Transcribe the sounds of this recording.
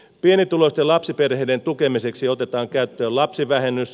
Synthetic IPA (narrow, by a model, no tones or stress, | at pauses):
pienit̪ulost̪elɑpsiperheident̪ukemiseksiot̪et̪ɑːŋkæyt̪ːøːlɑpsiʋæhenːys